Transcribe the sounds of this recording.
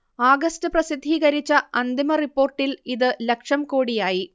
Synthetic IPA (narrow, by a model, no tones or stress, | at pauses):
aːɡɐstɨprɐsid̪ʱːiːɣɐɾit͡ɕːɐɐnd̪imɐripːo̞ːrʈːiliðɨlekʂɐmko̞ːɽijaːji